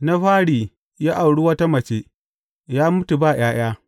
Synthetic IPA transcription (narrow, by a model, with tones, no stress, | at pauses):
na˦ɸaː˦ɽiː˨ | jaː˦ʔa˨wɽu˦wɐ˦ta˦mɐ˨t͡ʃeː˦ | jaː˦mʊ˦tu˨baː˦˨j̰aː˦j̰aː˦